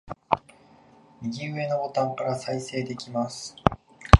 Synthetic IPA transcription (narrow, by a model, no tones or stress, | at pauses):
mʲiɡʲiɯ̟e̞no̞bo̞t̪ãŋkaɾasaise̞ːd̪e̞kʲimasɨ̥